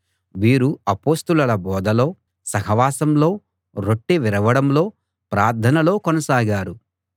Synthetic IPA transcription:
ʋiːɾuɐpo̞ːst̪ulɐlɐbɔːd̪ʱɐlo̞ː | sɐɦɐʋaːsɐmlo̞ː | ɾoʈːiʋiɾɐʋɐɽɐmlo̞ː | pɾaːɾd̪ʱʰɐnɐlo̞ːkɔnɐsaːɡaːɾu

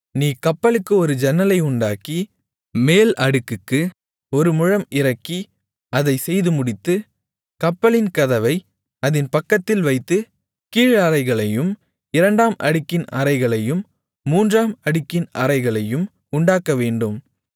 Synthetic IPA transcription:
niːkɐpːɐlɯkːɯɔɾɯd͡ʒɛnːɐlɐɪʊɳɖaːkːi | meːlɐɽɯkːɯkːɯ | ɔɾɯmʊɻɐmɪɾɐkːi | ɐðɐɪsɛjðɯmʊɽɪt̪ːɯ | kɐpːɐlɪnkɐðɐʋɐɪ | ɐðɪnpɐkːɐt̪ːɪlʋɐɪt̪ːɯ | kiːɻɐɾɐɪɣɐɭɐjɯm | ɪɾɐɳɖaːmʔɐ̰ɽɯkːɪnɐ̰ɾɐɪɣɐɭɐjɯmː | uːndraːmɐɽɯkːɪnɐ̰ɾɐɪɣɐɭɐjɯm | ʊɳɖaːkːɐʋeːɳɖɯm

